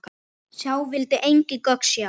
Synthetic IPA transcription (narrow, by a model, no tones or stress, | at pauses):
sawvɪlt̪ɪʔejŋcɪkœksja